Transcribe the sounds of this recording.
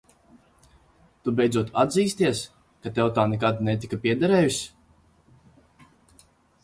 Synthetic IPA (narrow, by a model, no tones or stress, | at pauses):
t̪ubɛjdzuɔt̪ad̪ziːst̪iɛs | kat̪ɛwt̪aːnɛkad̪nɛt̪̬ikapʲiɛd̪aɾɛːjis